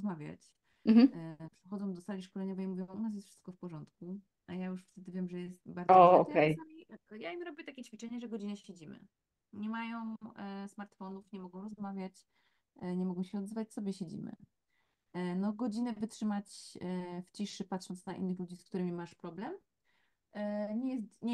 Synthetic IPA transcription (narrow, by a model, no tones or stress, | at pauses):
ɔzmavʲja̰t͡ɕ | m̩pʂɛxɔd̪zɔ̃w̃d̪ɔsalʲiʂkɔlɛɲɔvɛjmuvʲjɔ̃w̃ʔunasjɛst̪fʂɘ̥st̪̚kɔfpɔʐɔnt̪ku | ʔajajuʂft̪ɛd̪ɘvʲjɛmʐɛjɛst̪baɾɔɔɔk̪ɛjaijaimɾɔbʲjɛt̪akʲet͡ɕfʲit͡ʂɛɲɛʐɛɡɔd͡ʑinɛɕed͡ʑimɘ̰ | ɲɛmajɔ̃w̃smaɾt̪fɔnufɲɛmɔɡɔ̃w̃ɾɔzmavʲjat͡ɕ | ɲɛmɔɡɔ̃w̃ɕɛɔd̪zvat͡ɕsɔbʲjɛɕed͡ʑḭmɘ̰ | nɔɡɔd͡ʑinɛvɘtʂɘmat͡ɕ | ft͡ɕiʂɘpat̪ʂɔnt̪snaʔḭnːɘxlud͡ʑisk̚t̪uɾɘmʲimaʂpɾɔblɛm | ɲɛjɛst̪ɲɛ